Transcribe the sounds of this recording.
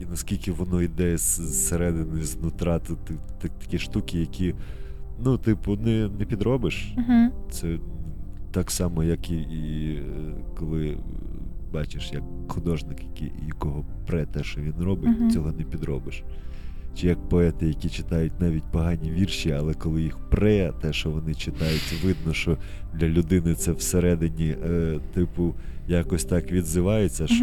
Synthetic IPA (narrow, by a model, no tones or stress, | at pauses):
inɐskʲilʲkɪʋɔnɔid̪ɛɛsseɾɛd̪ɪnʊznʊt̪ɾɑt̪ʊt̪t̪ɐt̪ɐ̥kʲiʃt̪ukʲɪjɐkʲi | nut̪ɪpʊnɛnɛpʲid̪ɾɔbɪʃɦ̩t̪sɛ | t̪ɑksɑmɔjɐkii | kɔlˠɪ | bɑt͡ʃɪʃjɐk̚xʊd̪ɔʒnɪkjɐkḭjɐkɔɦɔpɾɛt̪ɛʃɔʋʲinrɔbɪtʲt͡sʲɔɦɔnɛpʲid̪ɾɔbɪʃ | t͡ʃɪjɐk̚pɔɛt̪ɪjɐkʲit͡ʃɪt̪ɑjʊtʲnɑʋʲit̚ʲpɔɦɑnʲiʋʲirʃiɐlˠɛkɔlˠɪjixprɛt̪ɛʃɔʋɔnɪt͡ʃɪt̪ɑjʊtʲʋɪd̪nɔʃɔd̪lʲɐlʲʊd̪ɪnɪt̪sɛwseɾɛd̪ɪnʲit̪ɪpʊjakɔsʲt̪ɑkʋʲid̪zɪʋɑjʊt͡sʲːɐ